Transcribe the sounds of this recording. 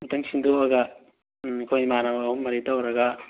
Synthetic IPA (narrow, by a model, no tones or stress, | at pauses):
mɐtɐŋsindoɐɡɐ | kʰojmanaumːɐɾitawɾɐɡɐ